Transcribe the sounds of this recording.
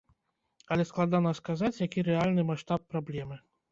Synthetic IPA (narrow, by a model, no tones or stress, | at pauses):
alʲɛsklˠad̪anɐskazat͡sʲjakʲiɾɛalʲnɨmaʂt̪apːɾablʲɛmɨ